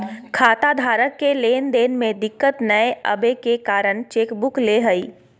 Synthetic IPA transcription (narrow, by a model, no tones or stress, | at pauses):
kʰaːt̪ad̪ʱaːɾəkːeleːnd̪eːnmẽd̪ɪkːət̪nəeə̰bekekaːɾəɽ̃t͡ʃeːkbʊkleɦəiː